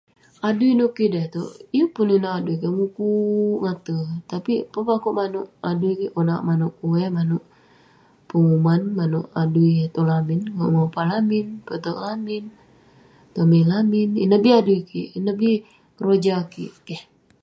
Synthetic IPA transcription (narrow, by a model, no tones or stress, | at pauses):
aduinoʔkidɛht̪o̰ʔijupuninaʔaduikaŋukuŋat̪ət̪apipəpakoʔmanoʔaduikiʔona̰ʔmanuʔkuwɛmanuʔ | pəŋumanmanoʔaduit̪olaminŋoʔmapalaminpət̪oʔlamin | t̪omilaminḭnəbiaduikiʔnəbi | rod͡ʒakḭʔkɛh